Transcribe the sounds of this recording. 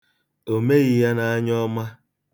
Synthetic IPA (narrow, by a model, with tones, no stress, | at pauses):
o˨me˦ɣɪ˨ja˦na˨a˦ɲɔ˦ma˦